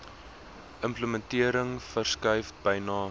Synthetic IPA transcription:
ʔəmpləməntiəɾəŋfərskɐjfbɐjnɑː

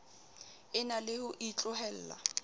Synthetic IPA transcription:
ɪnalɪhʊʔit͡ɬʼʊɦɛl̩ːla̰

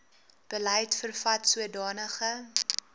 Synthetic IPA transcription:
b̥əlɛjtfərfɐtsuədɑːnəχə

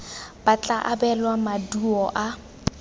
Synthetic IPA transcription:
b̥at͡ɬʼaʔabɛlwamaduɔʔa

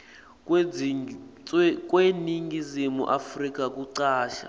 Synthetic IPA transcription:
k | k̬ʼweniŋɡizimṵʔafrik̬ʼak̬ʼuǀaːʃa̰

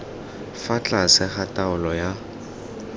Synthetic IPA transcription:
fat͡ɬʼasɪχatʼaʊlɔja

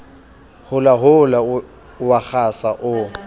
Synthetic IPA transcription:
hʊlaɦʊla | wak͡xʰasaʔʊ

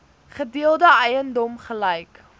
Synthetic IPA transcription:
χədiəlˠdəɛjəndɔmχəlɛjk

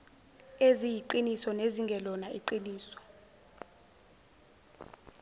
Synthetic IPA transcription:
ezijiǃinisɔneziŋɡʱɛlɔnaiǃiniːsɔ̥

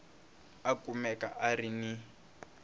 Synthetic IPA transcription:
akʼumɛka̰ʔarini

